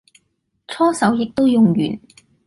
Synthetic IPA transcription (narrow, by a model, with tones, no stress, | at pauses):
t͡ʃʰɔː˥sɐ˨˥wjɪ˨k̚t̪o˥wjʊ˨ŋjy̰ː˨˩n